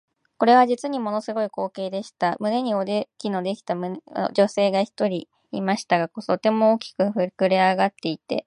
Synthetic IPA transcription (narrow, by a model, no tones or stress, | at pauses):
ko̞ɾe̞β̞aʑit͡sɨɲ̟imo̞no̞sɨɡo̞iko̞ːke̞ːd̪e̞ɕi̥t̪amɯ̟ne̞ɲ̟io̞d̪ekʲino̞d̪e̞kʲi̥t̪amɯ̟n̰d͡ʑo̞se̞ːɡaçi̥t̪o̞ɾʲḭː | maɕi̥t̪aɡakot̪o̞t̪e̞mo̞ːkʲi̥kɯ̟kɯ̟ɾeaɡat̪ːe̞it̪e̞̰